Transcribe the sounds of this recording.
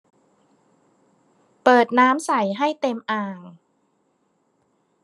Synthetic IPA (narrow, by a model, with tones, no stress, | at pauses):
pɤː˨˩t̪̚naː˦˥msa˨˩˦jɦa˥˩jt̪e˧mʔaː˨˩ŋ